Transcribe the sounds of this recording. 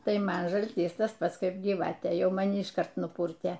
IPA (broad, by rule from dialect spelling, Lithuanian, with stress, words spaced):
ˈtɐɪ ˈmɐn ʒɐlʲˈtʲiːs ˈtɐs ˈpɐts ˈkɐɪp ɡʲiːˈʋɑːtʲeː ˈjɛʊ mɐˈnʲɪ ɪʃˈkɐrt nʊˈpuːrʲtʲeː